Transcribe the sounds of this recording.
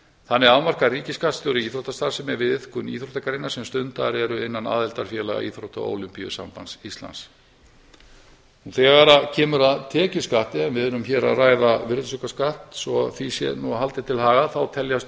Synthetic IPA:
θanːɪɾaːwmar̥kariːcɪskat̪st̪ʏɾiiːθɾowht̪ast̪aɾsɛmɛɾvɪðɪθkʏnḭθɾowht̪ʰakaɾejnːasɛmst̪ʏnt̪aɾɛɾʏɪnːana̰ːðɛlt̪aɾ̥fjɛːlaɣa̰ḭθɾowht̪a̰o̰ːwlʏmpijʏ̰sa̰mpansist̪la̰ns | unθɛːɣaɾacʰɛːmʏɾaðt̪ʰɛːcʏskaht̪ɪɛmvɪðʏɾʏmçɛːɾa̰ðraːjðavɪɾt̪sʏkaskaht̪sɔa̰ðθisjɛ̰nuɦalt̪ɪt̪ʰɪlhaːɣaθawt̪ʰɛljast̪

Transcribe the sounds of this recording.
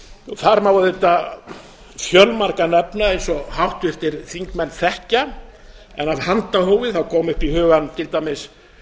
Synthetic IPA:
θaɾmawvaðet̪a | fjœlmaɾkanɛpnaejnsɔhawht̪ʏɛft̪ɪɾ̥θiŋkmɛnːθɛhca | ɛ̰naðhant̪ahoːwvɪθawkʰɔːmʏhpihʏːɣant̪ʰɪlt̪ajmɪs

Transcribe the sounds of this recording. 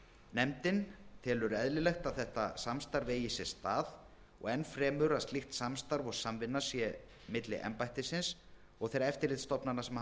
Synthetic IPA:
nɛmt̪ɪnt̪ʰɛːlʏɾʏɛðlɪlɛxt̪aðθɛht̪asamst̪aɾveːjɪsɛst̪aːð | ɔ̰ɣɛnːfɾɛːmʏɾaðst̪lixt̪samst̪aɾvɔɣsamvɪnːasjɛ | mɪt̪lɪ̰ʔɛ̰mpajht̪ɪsɪns | ɔɣθejɾaɛft̪ɪɾlɪt̪st̪ɔpnanːasɛm

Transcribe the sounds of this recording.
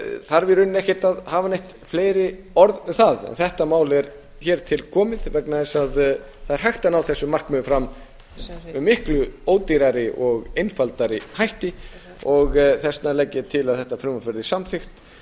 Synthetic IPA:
θaɾvɪɾʏnːɛhcɪt̪aðhaːvanejht̪ | fleːjɾɪ | ɔɾðθaðɛ̰nθɛht̪amaːwlɛɾ | çɛːɾ̥t̪ʰɪlkʰɔːmɪðvɛknaðɛsað | θaðɛɾ̥hajxt̪anawθɛsːʏmar̥kmʏfɾam | mɪhklʏoːwt̪iɾaɾɪʔɔɣejnfalt̪aɾɪhajht̪ɪ | ɔɣθɛsnalɛcːɪt̪ʰɪlaðθɛht̪afɾɪmafɛɾðɪsamθɪxt̪

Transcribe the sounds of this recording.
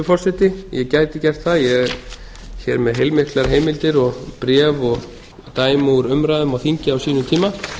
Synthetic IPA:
ʏfɔr̥sɛt̪ɪjɛcaːjt̪ɪcɛr̥t̪θaðjɛ | çɛːɾmɛðɦejlmɪhklaɾ̥ɦeːjmɪlt̪ɪɾɔɣpɾɛːvɔɣ | t̪aːjmowɾʏmɾaːðʏmawθiɲcɪawsiːnʏt̪ʰiːma

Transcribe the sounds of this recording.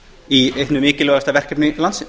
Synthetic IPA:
iejht̪nʏmɪːcɪlœːɣast̪avɛr̥cɛpnɪlansɪ

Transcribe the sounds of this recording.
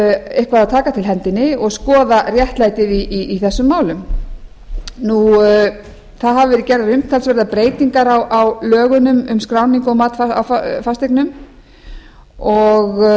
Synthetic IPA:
ehkvaðat̪ʰaːkat̪ʰɪlɦɛnt̪ɪnːɪɔɣskɔːðarjɛht̪laːjt̪ɪðiiːθɛsːʏmːaːwlʏm | nu | θaðɦavʏvɛɾɪcɛɾðaɾʏm̥t̪ʰalsvɛɾðapɾeːjt̪iŋkaɾawʔawlœːɣʏnʏmʏmskɾawniŋkɔɣmaːt̪faa̰wffast̪ejknʏm | ɔɣ

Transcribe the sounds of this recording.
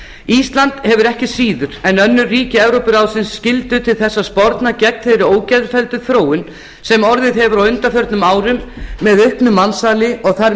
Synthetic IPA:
ist̪lant̪hɛvʏɾɛhcɪsiːðʏɾ̥ɛnœnːʏriːcɪɛvɾowpʏɾawsɪnsːcɪlt̪ʏt̪ʰɪlθɛsːaspɔɾt̪nacɛk̚nθejɾɪoːwcɛðɾfɛlt̪ʏθɾoːwʏn | sɛmɔɾðɪðɦɛvʏɾawʏnt̪afœɾt̪nʏmaːwɾʏmːɛðʏhpnʏmːansaːlɪɔɣθaɾ

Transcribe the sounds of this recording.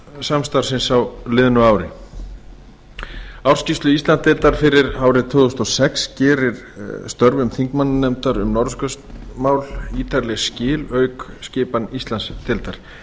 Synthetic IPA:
samst̪awɾ̥sɪnsawlɪðnʏaːwɾɪ | awɾ̥scist̪lʏist̪lant̪ɪlt̪aɾ̥fɪɾɪɾaːwɾɪt̪ʰʏːðust̪ɔsɛkscɛːɾɪɾ̥ | st̪œɾvʏmθiŋkmannɛmt̪aɾʏmnɔɾskʏst̪maːwliːt̪ʰaɾlɛscɪːlœːɥkscɪːpanist̪lanst̪ʰɪlt̪aɾ̥

